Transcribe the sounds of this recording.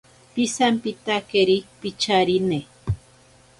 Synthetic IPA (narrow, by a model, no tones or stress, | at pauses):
pisampit̪akeɾik̚pit͡ʃaɾine